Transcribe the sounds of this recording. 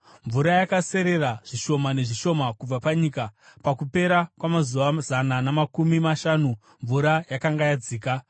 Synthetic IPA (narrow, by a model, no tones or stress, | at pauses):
ɱvuɾajakase̞ɾe̞raʐ̥iʃo̞mane̞ʐiʃo̞makub͡vapaɲiːkapakupe̞ɾakwamazuʋazananamakumimaʃanu | ɱvuɾajakaŋɡajad͡ziːka